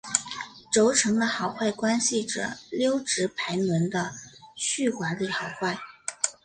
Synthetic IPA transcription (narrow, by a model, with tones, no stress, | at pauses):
ʈ͡ʂo˧˥ʊʈ͡ʂʰɤ˧˥ŋd̪ə˧xɑ˨˩ʊxwa˥˩ɪkwa˥nɕi˨ʈ͡ʂɤ̰˨˩ljo˥ʊʈ͡ʂɻ̩˧˥pʰa˧˥ɪnwə˧˥nd̪ə˧ɕy˥˩xwa˧˥li˥˩xɑ˨˩ʊxwa˥˩ɪ